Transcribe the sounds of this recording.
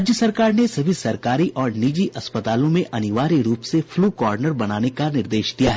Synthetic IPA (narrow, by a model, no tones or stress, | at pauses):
d͡ʒjəsɐɾkaːɾnesɐbʱisɐɾkaːɾiʔɔːɾnid͡ʒiʔɐspət̪aːlõmẽʔɐnɪʋaːɾiɾuːpsefʰluːkɔːɾnəɾbɐnaːnekanɪɾd̪eːʃd̪ijaɦɛ